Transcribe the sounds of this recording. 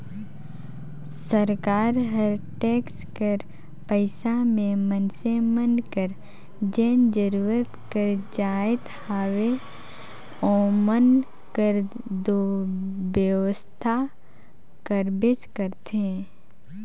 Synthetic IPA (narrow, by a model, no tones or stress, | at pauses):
səɾkaːɾɦəɾʈeːkskəɾ | pəɪsamẽmənsemənkəɾ | d͡ʒɛːnd͡ʒəɾuːɾət̪kəɾd͡ʒaːɪt̪haːʋe | oːmən | kəɾ | d̪objəʋəst̪ʰa | kəɾbɪt͡ʃkəɾt̪ɦɛ̃